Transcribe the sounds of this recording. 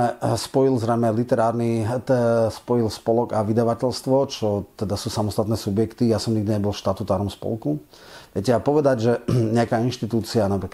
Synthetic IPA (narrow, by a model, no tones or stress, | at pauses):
ɛspɔilzɾɛjmɛlit̪ɛɾaːɾnit̪spɔjilspɔlɔɡaʋid̪aʋacɛʎst̪ʋɔt͡ʃɔt̪ɛd̪asuːsamɔst̪at̪nɛːsubjɛkt̪ijasɔmɲiɡd̪iɲɛbɔlˠfʃt̪at̪ut̪aːɾɔmspɔ̰lˠku | ʋjɛcɛapɔʋɛd̪aɟʒɛɲɛakaːinʃt̪it̪uːt͡sianapɾiːk